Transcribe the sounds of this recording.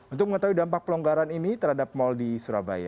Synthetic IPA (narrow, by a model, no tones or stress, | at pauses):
unt̪ʊk̚məŋət̪awidampak̚pəlɔŋɡaɾaninit̪əɾhadap̚mɔldisuɾa̰ba̰ja̰